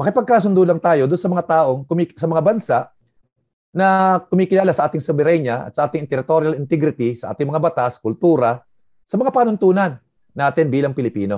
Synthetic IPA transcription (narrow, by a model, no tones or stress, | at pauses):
mɐkɪpɐɡ̚kaːs̬ʊnd̪ulɐŋt̪aːjo̞d̪ʊnsɐmɐŋat̪aːʔo̞ŋkʊmisɐmɐŋabɐnsaʔ | nɐkʊmiːkɪlaːlasɐʔaːt̪ɪŋsʊbɛɾɛɲɐʔɐ̰t̪sɐʔaːt̪ɪŋɪnt̪ɛɾɪt̪oɾjalɪnt̪ɛɡɾɪt̪isɐʔa̰ːt̪ɪŋmɐŋabɐt̪askʊlt̪uːɾɐ | sɐmɐŋapaːnʊnt̪uːnɐnː | aːt̪ɪnbiːlɐŋpɪlɪpḭːno̞̰